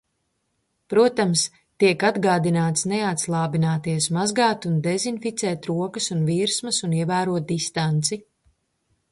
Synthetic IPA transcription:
pɾuɔt̪ams | t̪iɛkad̪ɡaːd̪inaːt̪sneat̪slˠaːbinaːt̪iɛsmazɡaːt̪und̪ɛzinfit̪sɛːt̪ɾuɔkɐsunviːɾsmɐsuniɛvæːɾuɔt̪̚d̪ist̪ant̪si

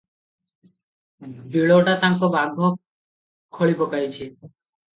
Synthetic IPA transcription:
biɭoʈat̪aŋkobaɡʱo | kʰːoɭipokajt͡ɕʰe

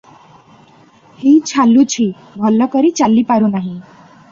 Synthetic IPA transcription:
hit͡ʃʰalːut͡ʃʰi | bʱɔlːɔkɔɾit͡ʃalːipaɾunaɦĩ

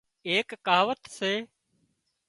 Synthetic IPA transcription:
eːkːaːʋət̪seː

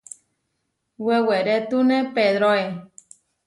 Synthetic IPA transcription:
weweɾet̪unepeðɾoe

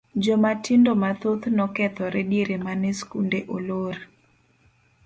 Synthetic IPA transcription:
d͡ʒɔmatɪndomat̪ot̪nɔkɛt̪ɔɾɛdeɾemanɛskundeʔolor

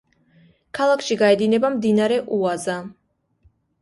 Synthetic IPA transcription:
kʰalˠakʰʃiɡaɛd̪inɛbamd̪inaɾɛʔuaza

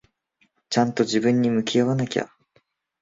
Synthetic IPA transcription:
t͡ɕãnt̪o̞ʑibɯ̟̃ɲ̟ːimɯ̟kʲijaβanakʲa̰

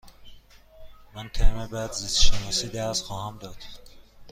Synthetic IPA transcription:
mæncʰæmebæd̪zizʃenɒːsiːd̪æɾsxɒːhæmd̪ɒːd̪̥

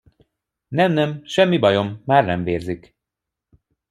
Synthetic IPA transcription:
nɛmnɛmʃɛmːibɒjo̞mːaːrnɛɱveːrzik

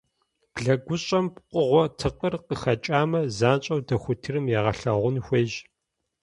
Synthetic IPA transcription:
b̥ɮɐɡʷʊɕʼɐmpqʷʊʁʷɔtʰɨqərqəxɐt͡ʃʼaːmɐzaːnt͡ʃʼɐwdɐxʷʊtʰɨrɨmjɛːʁɐɬɐʁʷʊnxʷeːʒ

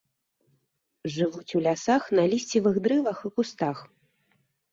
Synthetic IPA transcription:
ʐɨvut͡sʲulʲasaxnɐlʲisʲt͡sʲivɨɣd̪ɾɨvɐxɨkust̪ax

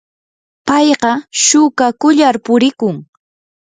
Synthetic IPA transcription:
pɑjɢɑʃʊkakʊʎaɾpʊɾɪkʊŋ

